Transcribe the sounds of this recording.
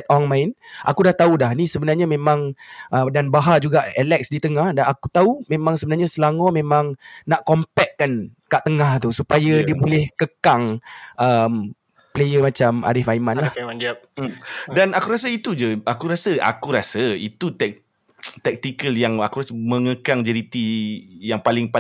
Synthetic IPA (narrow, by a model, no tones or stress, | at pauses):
ɛt̪̚ɔŋmãjnʔa̰kudaht̪audahnisəbənarɲamẽmãŋʔədanbaɦad͡ʒuɡaʔɛlɛk̚sdit̪əŋahdanakut̪aumẽmãŋsəbənarɲasəlaŋɔmẽmãŋnaʔkɔmpɛk̚ːankaʔt̪əŋaht̪usupajadiəbolɛhkəkaŋʔəm | plejəmat͡ʃama̰ɾifaimãnlahadia | danakuɾas̬əit̪ud͡ʒəakuɾasəa̰kuɾasəḭt̪ut̪ɛk̚ | t̪ɛk̚t̪ikəljaŋakuɾasəmə̃ŋəkaŋd͡ʒɛɾit̪ijaŋpalɪŋpa